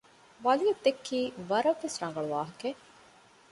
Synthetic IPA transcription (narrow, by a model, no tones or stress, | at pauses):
ʋɐlijɐd̪ːekʰːiːʋɐɾɐʋesɾɐŋɡɐɭuʋaːɦɐke